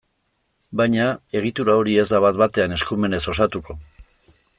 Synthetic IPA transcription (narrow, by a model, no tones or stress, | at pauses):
bajɲae̞ɣ̞it̪uɾao̞ɾie̞zd̪aβat̪̚bat̪e̞ane̞skume̞ne̞so̞sat̪uko̞